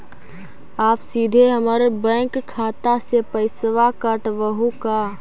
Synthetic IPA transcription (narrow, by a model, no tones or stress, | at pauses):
aːpsiːd̪ʱeɦəməɾbɛ̃ːŋkʰːaːt̪asepəɪsʋakəʈʋəɦuka